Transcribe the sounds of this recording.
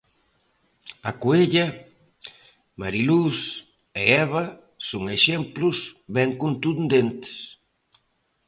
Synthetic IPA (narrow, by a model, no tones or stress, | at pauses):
akoeʎɐ | maɾilus | eɛβɐ | soŋeʃɛmplʊsβɛŋkont̪und̪ent̪ɪ̥s